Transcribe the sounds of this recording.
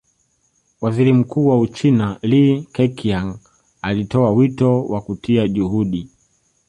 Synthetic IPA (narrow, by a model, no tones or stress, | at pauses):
waziɾim̩kuːwaut͡ʃinalikɛkiaŋ | alitɔawitɔwakutʰiaʄuhuɗi